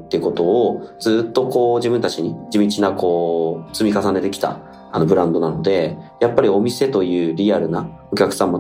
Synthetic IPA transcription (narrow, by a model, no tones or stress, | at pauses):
t̪ːejɯ̟ko̞t̪o̞ːd͡zɨːt̪ːo̞ko̞ːʑibɯ̃nt̪at͡ɕiɲ̟id͡ʑimʲit͡ɕinako̞ːt͡sɨmʲikasane̞t̪e̞kʲi̥t̪a̰ | ano̞bɯ̟ɾãnd̪o̞nano̞d̪e̞japːaɾʲio̞mʲise̞t̪o̞jɯ̟ːɾʲiaɾɯ̟na | o̞kʲakɯ̟̥sãmːo